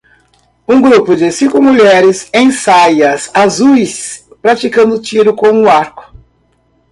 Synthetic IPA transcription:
ũɡɾupʊd͡ʒɪsĩkʊmuʎɛɾɪsẽj̃sajɐsazujspɾat͡ʃikɐ̃nd̪ʊt͡ʃiɾʊkõw̃ũʊaɾkʊ̥

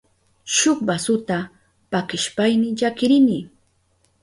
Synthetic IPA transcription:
ʃʊχbasʊt̪a | pakɪʃpajnɪʎakɪɾɪnɪ

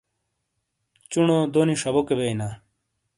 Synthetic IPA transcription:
t͡ɕunod̪oːniʂɐbokebeina

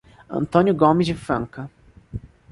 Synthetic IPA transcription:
ɐ̰̃nt̪õnjʊɡomɪzɪfɾɐ̰̃ŋkɐ

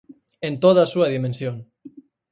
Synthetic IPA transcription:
ent̪oðasuaðimẽnsjon

